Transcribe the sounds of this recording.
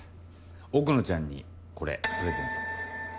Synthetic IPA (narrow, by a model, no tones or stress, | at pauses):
okɯ̟no̞t͡ɕãɲ̟ːḭ | ko̞ɾḛpɯ̟ɾe̞zḛ̃nt̪o̥